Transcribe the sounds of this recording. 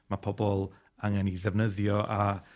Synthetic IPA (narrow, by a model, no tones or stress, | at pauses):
mapʰɔbɔlˠ | aŋɛniðɛvnəðjɔʔa